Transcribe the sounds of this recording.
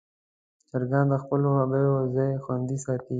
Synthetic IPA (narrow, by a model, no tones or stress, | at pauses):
t͡ʃaɾɡɑnd̪əxpəlohabəjozajxwand̪isɑt̪i